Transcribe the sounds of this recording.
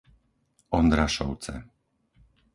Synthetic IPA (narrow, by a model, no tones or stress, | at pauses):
ɔnd̪ɾaʃɔ̰ʊt͡sɛ̰